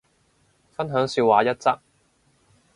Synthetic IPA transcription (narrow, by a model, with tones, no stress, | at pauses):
fɐ˥nɦœː˨˥ŋsyː˧waː˨˥jɐ˥t̚t͡sɐ˥k̚